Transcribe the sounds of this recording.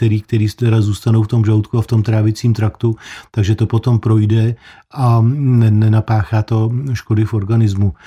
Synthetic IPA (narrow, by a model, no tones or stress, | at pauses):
t̪ɛɾiːk̚t̪ɛɾiːst̪ɛɾazuːst̪ano̞wft̪o̞mʒawt̪kuaft̪o̞mt̪ɾaːvɪt͡siːmt̪ɾakt̪ut̪aɡʒɛt̪o̞po̞t̪o̞mpɾo̞jdɛ | ʔanɛnɛnapaːxaːt̪o̞ʃkodɪfo̞ɾɡanɪzmu